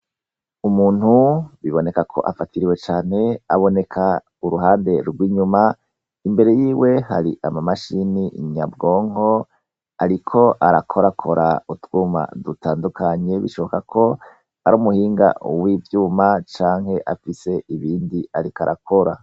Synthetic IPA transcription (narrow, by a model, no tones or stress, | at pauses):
umuːn̥huβiβo̞ne̞kakʰo̞̰ʔafatiɾiwe̞t͡ʃaːne̞aβo̞ne̞kʰa | uɾuɦaːnde̞ɾɡwiːɲuma | imbe̞ɾe̞jiːwe̞ha̰ɾiʔamamaʃiniɲabɡoːŋo̞ | aɾikʰo̞ʔaɾakʰo̞ɾakʰo̞ɾautwuːma̰dutʰaːndukʰaɲe̞βiʃo̞βo̞kakʰo̞ | aɾuːmuhiːŋɡa̰wivjuːmat͡ʃaːŋhe̞ʔafise̞iβiːndiaɾikaɾʔa̰kʰo̞ɾa